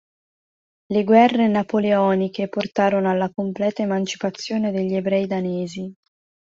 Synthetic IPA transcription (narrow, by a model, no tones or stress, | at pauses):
leɡwɛrːenapoleɔːnikeport̪aːɾonoalːakomplɛːt̪aemant͡ʃi̥pat̪sːjoːned̪eʎːiebɾɛːjd̪aneːzi